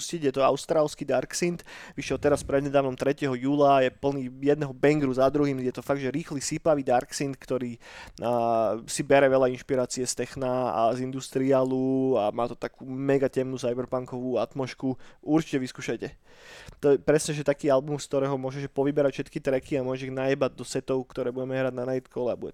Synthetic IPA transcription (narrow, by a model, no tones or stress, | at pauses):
scicjɛt̪ɔaʊst̪ɾaːlˠskid̪aɾksint̪ʋiʃjɛlt̪ɛɾaspɾɛd̪ɲɛd̪aːʋnɔmt̪ɾɛcɛɦɔjuːlajɛpl̩niːjɛd̪nɛɦɔbɛŋɡɾuzad̪ɾuɦiːmjɛt̪ɔfaɡ̚d̪ʒɛɾiːxlisipaʋiːd̪aɾksint̪kt̪ɔɾiː | sibɛɾɛʋɛʎainʃpiɾaːt͡siɛst̪ɛxnaa̰zind̪ust̪ɾialuamaːt̪ɔt̪akuːmɛɡacɛmnusajbɛɾpaŋkɔʋuːat̪mɔʃkuuɾt͡ʃi̥cɛʋiskuːʃajcɛ | t̪ɔjɛpɾɛsɲɛʒɛt̪akiːalbumfskt̪ɔɾɛːɦɔmʊɔʒɛʒɛpɔʋibɛɾacfʃɛt̪kit̪ɾɛkiamʊɔʒiɣnajɛbad̪ɔsɛt̪ɔʊkt̪ɔɾɛːbuɟɛmɛɦɾaɟ̚nanajit̪kʰɔlɛabuɟɛ